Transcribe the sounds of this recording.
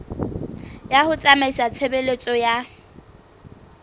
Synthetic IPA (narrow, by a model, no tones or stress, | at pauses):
jahʊt͡sʼamaisat͡sʰebelet͡sʼɔja